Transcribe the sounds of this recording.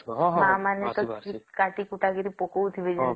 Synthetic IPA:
mãmanet̪ɔikaʈikuʈaɡeɾipokowt̪ʰibed͡ʒ

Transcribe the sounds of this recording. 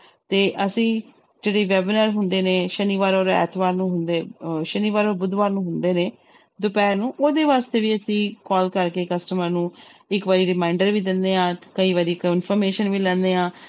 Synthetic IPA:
t̪eːʔəsĩː | d͡ʒeːɽeːʋɛːbɪnəːɾɦʊnd̪eːneːʃəniːʋaːɾɔːɾɛ̰ːt̪ʰʋaːɾnũːɦʊnd̪eːʃəniːʋaːɾoːɾbʊd̪ʋaːɾnũːɦʊnd̪eːneː | d̪ʊpɛːnũːʔoːd̪eːʋaːst̪eːʋiːəsĩːkɔːlkəɾkeːkəsʈəməɾnũːɪkʋaːɾiːɾɪmaːɪɳɖəɾʋiːd̪ɪnd̪eːãːkəiːʋaːɾikɪnpʰɔːɾmeːʃənʋiːlɛ̃ːnd̪eːãː

